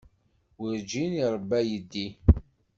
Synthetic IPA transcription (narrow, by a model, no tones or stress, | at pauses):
wəɾd͡ʒiniɾˤəbːæjəd̪ːi